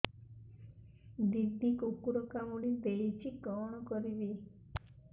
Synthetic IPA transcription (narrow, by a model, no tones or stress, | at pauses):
d̪iɾd̪ikokuɾokamuɽid̪eɭit͡ʃʰikɔnɔkɔɾibi